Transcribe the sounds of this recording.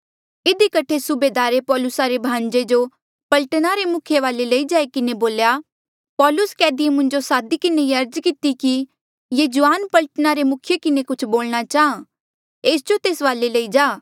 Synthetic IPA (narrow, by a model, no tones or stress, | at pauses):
ɪd̪ikɐʈʰesʊbeːd̪aːɾepɔːlʊsaɾebʱãːɲd͡ʒed͡ʒo | pɐlʈnaɾemʊkʰjeʋaːlelɐid͡ʒaːekɪneboːlja | pɔːlʊskɛːd̪iemʊ̃ɲd͡ʒosaːd̪ikɪneiɐɾd͡ʒkɪt̪iki | jeːd͡ʒʊaːnpɐlʈnaɾemʊkʰjekɪnekʊt͡ʃʰboːlñat͡ʃaːã | eːsd͡ʒot̪eːsʋaːlelɐid͡ʒaː